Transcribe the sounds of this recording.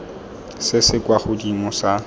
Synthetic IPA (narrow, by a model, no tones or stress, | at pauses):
sɪsɪkwaχʊdimɔsa